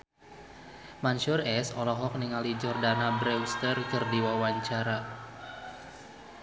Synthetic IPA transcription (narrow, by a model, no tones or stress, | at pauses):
manʃʊrɛsɔlɔɦɔk̚niŋalid͡ʒɔrdanabɾɛwst̪ərkɨrdiwawaɲt͡ʃaɾa